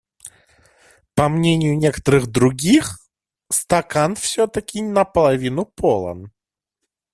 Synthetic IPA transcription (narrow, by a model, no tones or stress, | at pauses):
pɐmnʲenʲɪjʊnʲekə̥t̪əɾɨɣd̪ɾʊɡʲix | st̪ɐkanfsʲɵt̪əkʲɪnəpəlˠɐvʲinʊpolˠə̰n